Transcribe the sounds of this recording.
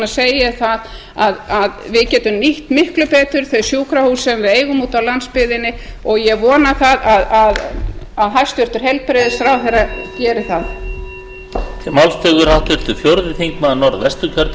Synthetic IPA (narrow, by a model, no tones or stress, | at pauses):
aseːjɪθað | aðaðvɪcɛːt̪ʏmniht̪mɪhklʏpɛːt̪ʏɾ̥θœɥsjuːkɾahuːsɛmvɪðeːjɣʏmuːt̪awlanspɪðɪnːɪɔɣjɛvɔːnaθaðaðað | aðɦajst̪ʏr̥t̪ʏɾ̥ɦɛl̚pɾɪðɪθɾawɦɛracɛːɾɪθað | t̪ʰɪmawlst̪œːɣʏɾ̥hawht̪ʏɾ̥t̪ʏfjoɾðɪt̪ʰiŋk̚maðnɔɾðvɛst̪ʏcʰœɾt̪